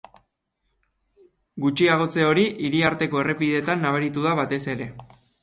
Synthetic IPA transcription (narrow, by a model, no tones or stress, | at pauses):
ɡut͡ʃiaɣ̞o̞t͡se̞o̞ɾiʔiɾiaɾt̪e̞ko̞e̞re̞piðe̞t̪anːaβ̞aɾit̪uðaβat̪e̞se̞ɾe̞